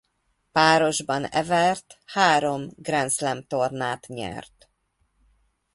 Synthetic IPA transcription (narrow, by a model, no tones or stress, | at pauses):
paːɾo̞ʒbɒnɛ̰vɛrt̪haːɾo̞mɡrɛnt̪slɛmt̪o̞rnaːt̪ɲɛ̰rt̪